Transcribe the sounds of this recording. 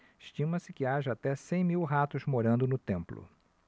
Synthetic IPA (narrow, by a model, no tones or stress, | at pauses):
iʃt͡ʃĩmɐsɪkɪaʒɐat̪ɛsẽj̃miwɦat̪ʊzmoɾɐ̃nd̪ʊnʊt̪ẽmplʊ̰